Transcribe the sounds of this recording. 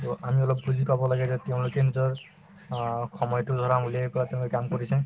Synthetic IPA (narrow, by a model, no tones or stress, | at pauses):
tʊʔamiɔlɔpbuzʱipabɔlaɡɛzɛtɛʊ̃lʊkɛnizɔɹ | xɔmɔjɔtʊd̪ʱɔɹamulɛpɔɹatɛ̃ʊ̃kamkoɹisɛ̃